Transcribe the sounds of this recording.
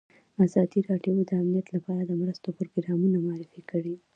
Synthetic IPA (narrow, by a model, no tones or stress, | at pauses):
azɑd̪iɾɑɖjod̪əamnijat̪lapɑɾad̪əmɾəst̪opɾoɡɾɑmunamʊɑɾɪfikəɽi